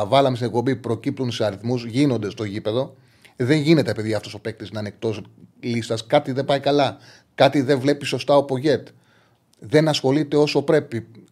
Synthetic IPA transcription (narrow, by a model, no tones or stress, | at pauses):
vɐlɐmesinek̚po̞mbipɾo̞cip̚t̪unseɐɾiθmuzʝino̞nd̪e̞st̪o̞ecipe̞ðo̞ | ðe̞ɲʝine̞t̪epeðjɐft̪o̞so̞pe̞k̚t̪isnɐnek̚t̪o̞slist̪ɐskɐt̪iðe̞bɐikɐlɐ | kɐt̪iðe̞ɱvle̞piso̞st̪ɐopo̞ʝe̞t̪ | ðe̞nɐsxo̞lit̪e̞o̞so̞pɾe̞pi